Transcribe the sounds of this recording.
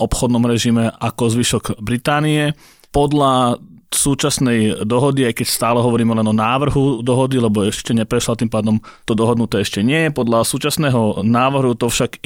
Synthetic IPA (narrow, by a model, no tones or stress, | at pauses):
ʔɔpxɔd̪nɔmɾɛʒimɛakɔzʋiʃɔɡbɾit̪aːniɛ | pɔd̪lasuːt͡ʃasnɛjd̪ɔɦɔd̪iajkɛcst̪aːlɛɦɔʋɔɾiːmɛlɛnɔnaːʋr̩ɦud̪ɔɦɔd̪ilɛbɔɛʃcɛɲɛpɾɛʃlat̪impaːd̪ɔmt̪ɔd̪ɔɦɔd̪nut̪ɛɛʃcɛɲɪɛjɛpɔd̪lasuːt͡ʃasnɛːɦɔnaːʋr̩ɦut̪ɔfʃaɡ